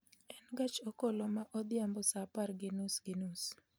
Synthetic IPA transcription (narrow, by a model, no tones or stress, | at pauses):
ɛnɡat͡ʃokolomaʔɔd̪ɪambɔsapaɾɡɪnusɡɪnus